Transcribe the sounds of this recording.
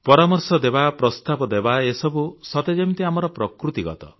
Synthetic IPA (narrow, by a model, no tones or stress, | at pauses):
pɔɾamɔɾsɔd̪ebapɾɔst̪abɔd̪ebaesɔbusɔt̪ed͡ʒemit̪iamɔɾɔpɾɔkɾut̪iɡɔ̰t̪ɔ̰